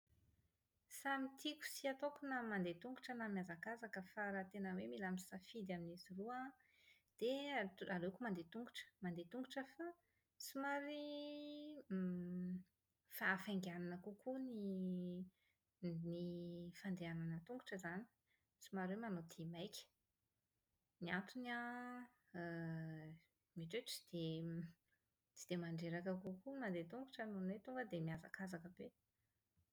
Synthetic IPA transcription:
samit̪ʰiku̥siat̪okunamand̪et̪uŋɡuʈ͡ʂənamiazakazakəfaɾat̪enəwemilamisafid̪aminizirua | d̪̥ealekumand̪et̪uŋɡuʈ͡ʂə̥mand̪et̪uŋɡuʈ͡ʂəfa | t͡simaɾi | faːfaŋɡananəkukuni | nifand̪eananət̪uŋɡu̥ʈ͡ʂəzani̥ | t͡simaɾwemanot̪ʰimajkʲə̥ | niant̪una | miʈ͡ʂeʈ͡ʂi̥d̪̥e | t͡si̥d̪̥emaɳɖ͡ʐeɾakəkukumand̪et̪uŋɡuʈ͡ʂanonwet̪uŋɡəd̪emiaza̰kazakəbe

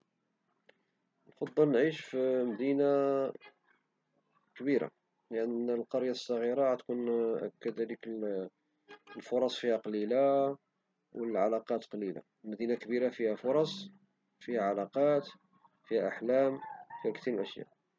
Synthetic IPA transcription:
nfɑd̪ˤːɑlnʕiʃfimd̪ina | kbiɾa̰ | lʔənːmnəlqɑɾjasˤːɑɣiɾaʕæt̪kunʔæ̰kːəd̪ælikə | lfʊɾˤɑsˤfihæqɑlila | wəlʕa̰lɑqɑt̪qɑlila̰ | lmæd̪inakbiɾafihæfʊɾˤɑsˤ | fihæʕalɑqɑt̪ | fihæʔaħlæmfihækt̪imʔəʃja̰ʔ

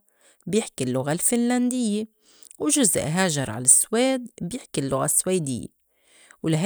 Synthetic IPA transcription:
bjɪħkilːʊɣalfɪnland̪ɪjːe | wʒʊz̰ʔɦaːʒɑɾˤʕa̰lasweːd̪bjɪħkilːʊɣa̰sweːd̪ɪ̰jːḛ | wlɪɦ

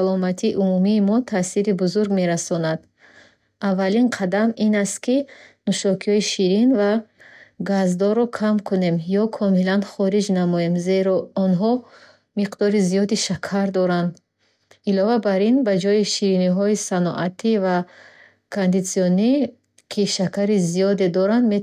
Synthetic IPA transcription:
alɔmat̪ʰiʔumumiːmɔt̪ʰasiɾibuzuɾɡme̞ɾasɔnad̪ | avːalinqʰad̪aminast̪kinuʃɔkʰiɔiʃiɾinva | ɡazd̪ɔɾɔkʰamkʰune̞mjɔkʰɔmilanχɔɾid͡ʒnamɔjemze̞ɾɔɔnɦɔ | miqd̪ɔɾizijɔd̪iʃakʰaɾd̪ɔɾand̪ | ilɔvabaɾinbad͡ʒɔiʃiɾiniɦɔisanɔ̰ʔat̪ʰiva | kʰond̪it̪siɔni | kʰiʃakʰaɾizijɔd̪e̞d̪ɔɾand̪me

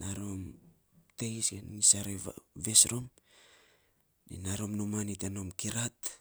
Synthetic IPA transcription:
naɾom | tejsɡenisaɾeve̞sɾo̞m | nḭnaɾo̞mnomaniteno̞mkiɾat

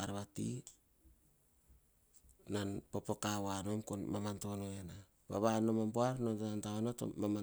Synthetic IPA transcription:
aɾβatḭ | nanpopokaβano̞mkonmamanto̞noena | βa̰βano̞mampoaɾnontaantaonato̰mama

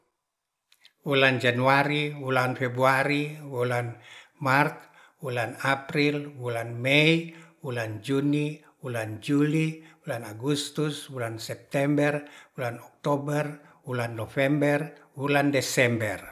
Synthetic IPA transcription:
wuland͡ʒanuaɾiwulanfɛbɾuaɾiwulanmart̪ | wulanapɾilwulanmɛiwuland͡ʒuni | wuland͡ʒuliulanaɡust̪uswulansɛp̚t̪ɛmbɛrwulanɔk̚t̪ɔbɛr | wulanːɔfɛmbɛrwulandɛsɛmbɛr

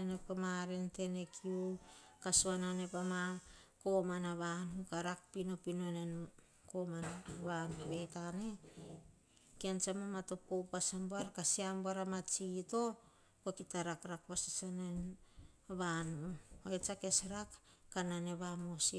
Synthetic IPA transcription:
enepamaɾente̞ne̞kʰiukasuanane̞pamako̞manaβanukaɾak̚pino̞pino̞ne̞n | komanβanaβe̞jtane̞ | kiant͡ʃamamato̞powpasamboaɾkasiamboaɾamat͡ʃito̞ | ko̞kitaɾakɾakpasi̥sanen | βanuoet͡ʃake̞sɾak | kːanane̞βamosi

